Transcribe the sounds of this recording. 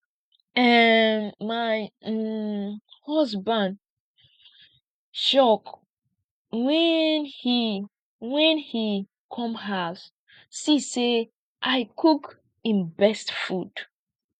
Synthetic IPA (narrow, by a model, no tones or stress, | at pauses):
ɛnmaj | hɔsbãnd | ʃɔk | wɛnhi | wɛ̃nhi | kʰɔ̃mɦas | sise | ʔaɪkʰuk | ĩnbɛstfud̥